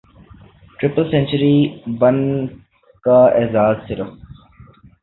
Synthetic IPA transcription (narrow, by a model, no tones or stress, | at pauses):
ʈɾɪpəlsɛ̃nt͡ʃəɾiːbɐn | kaeːzaːzsɪɾəf